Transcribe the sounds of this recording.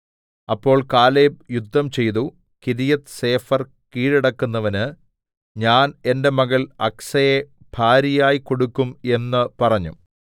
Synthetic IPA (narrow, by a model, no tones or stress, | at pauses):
ɐpːo̞ːɭkaːleːbjud̪ʱːɐmt͡ɕe̞jt̪u | kiðijɐt̪ɨ̥se̞ːfɐr | kiːɻiɽɐkːunːɐʋɐnɨ | ɲaːne̞nde̞mɐɣɐlɐksɐje | b̥ʱaːɾijaːjiko̞ɽukːume̞nːɨpɐrɐɲːṵ